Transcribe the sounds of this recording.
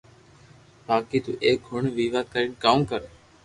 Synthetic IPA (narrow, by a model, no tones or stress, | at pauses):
baːkiːt̪uːʔeːk̚ɡʱʊɳʋiːʋaːkəɾɪɳkaːũːkəɾ